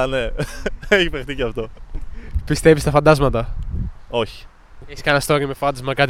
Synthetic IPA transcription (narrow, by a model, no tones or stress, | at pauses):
neeçivext̪iceɐft̪o | pist̪evist̪ɐfɐnd̪ɐzmɐt̪ɐ | o̞çi̥ | eçiskɐnɐst̪o̞ɾimefɐnd̪ɐzmɐkɐt̪